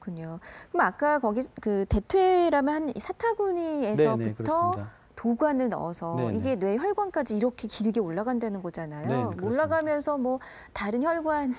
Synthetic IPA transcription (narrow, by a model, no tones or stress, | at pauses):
kɯɲokɯmak͈akʌɡikɯte̞tʰwe̞ɾamjʌnhanisʰatʰaɡuɲiensʰʌpukɯtʰʌ | toɡuanɯɭnʌ̰sʰʌiɡe̞nwe̞çjʌɭɡwank͈ad͡ʑiːɾʌkʰe̞kiɾɯɡeoɭːaɡandwe̞nɯnɡʌd͡ʑanajoooɭːaɡamjʌnsʰʌmwʌ | taɾɯnçjʌɭɡwan